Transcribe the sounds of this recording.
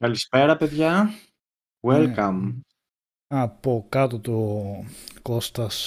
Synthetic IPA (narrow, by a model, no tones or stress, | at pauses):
kɐlispeɾɐpeðʝɐ | welkɐm | ɐpokɐt̪ot̪u | kost̪ɐs